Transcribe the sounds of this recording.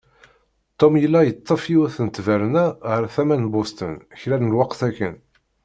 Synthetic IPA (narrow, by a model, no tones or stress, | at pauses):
t̪ˤːomjəlːæjət̪ˤːəfiwæθənt̪ːvæɾnæʁəɾθæmænbost̪ə̰nçɾæɾlwɑqθækːə̰n